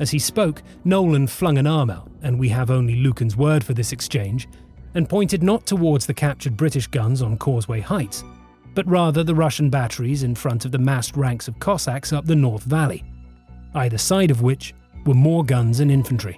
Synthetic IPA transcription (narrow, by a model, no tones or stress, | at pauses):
ɨz̥ispoʊk | noʊlˠɨ̃nd̥flʌ̃ŋɨ̃nɑɹma̰ʊɾɨ̃nwiɨvõʊ̃nlilʉkɨ̃n̩zwɜ˞d̥fə˞ðɪsɨkst͡ʃʰẽɪ̃nd͡ʒ | ɨ̃npʰɔ̃ɪ̃ntɨdⁿnətʰəwɔɹdz̥ðɨkʰæp̚t͡ʃə˞d̚bɹɪɾɨʃɡ̥ʌ̃nzn̩kʰɔɹzweɪhaɪts | b̥ʌt̚ɹæðə˞ðɨɹʌʃn̩bæɾə˞izɨ̃nfɹʌ̃ntʌvðɨmæst̚ɹæ̃ŋksʌv̥kʰɑsæksʌp̚ðɨnɔɹθvælˠḭ | aɪðɨsaɪɾʌvwɪt͡ʃ | wə˞mɔɹɡʌ̃nzɨ̃nɪ̃ɱfn̩tɹ̥ḭ